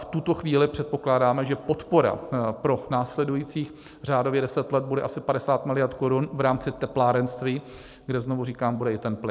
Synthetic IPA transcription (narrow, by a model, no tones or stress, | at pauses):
ft̪ut̪o̞xviːlɪpr̝̥ɛt̪̚po̞klaːdaːmɛʒɛpo̞t̪po̞ɾa̰pɾo̞naːslɛdujiːt͡siːx | r̝aːdo̞vjɛdɛsɛt̪lɛd̪̚budɛʔasɪpadɛsaːt̪mɪlɪjaɾt̪koɾunvɾaːmt͡sɪt̪ɛplaːɾɛnst̪viː | ɡdɛznovuriːkaːmbudɛɪt̪ɛnplɪ